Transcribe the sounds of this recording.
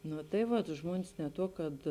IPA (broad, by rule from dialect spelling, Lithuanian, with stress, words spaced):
ˈnʊ tɐɪ ˈʋɐt ˈʒmuɔnʲɪs nʲɛ ˈtuɔ kɐt